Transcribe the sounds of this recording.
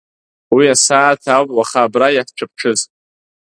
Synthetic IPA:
wiasaːtʰawpʼwaχaːbrajakʰt͡ʃʷʰɨp̚ʰʈ͡ʂʰɨzʼ

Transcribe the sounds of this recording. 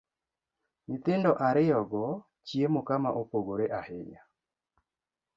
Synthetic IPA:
ɲɪt̪ɪndɔʔaɾɪjɔɡɔ | t͡ʃjemokama̰ʔopoɡoɾeʔahɪɲa

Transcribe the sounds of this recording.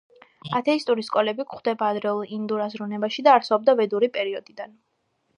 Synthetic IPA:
at̪ʰɛist̪ʼuɾiskʼɔlɛbikχd̪ɛbaːd̪ɾɛlˠind̪uɾazɾunɛbaʃid̪aːɾsɔb̚d̪avɛd̪uɾipʼɛɾiɔd̪id̪an

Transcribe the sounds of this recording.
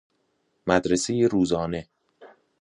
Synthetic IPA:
mæd̪ɾesejeɾuːzɒːne̞

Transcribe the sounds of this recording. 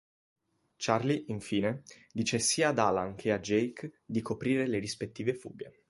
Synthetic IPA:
t͡ʃarliʔiɱfiːne | d̪iːt͡ʃesiːaːd̪alaŋkʰead͡ʒɛjkd̪ikʰopɾiːɾeleɾispet̪ːiːvefṵːɡe

